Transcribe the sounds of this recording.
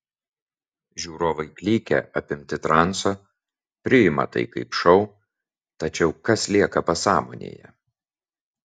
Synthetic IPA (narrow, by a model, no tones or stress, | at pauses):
ʒʲuːɾoːʋɐɪklʲiːkʲɛ̰ʔɐpʲɪmʲt̪ʲɪt̪ɾɑnˑsoː | pʲɾʲɪɪmɐ̰t̪ɐ̰ɪkɐɪpʃɒʊ | t̪ɐt͡ʃʲɛʊkɐslʲiɛkɐpɐsɑːmo̰ːnʲḛːjɛ̰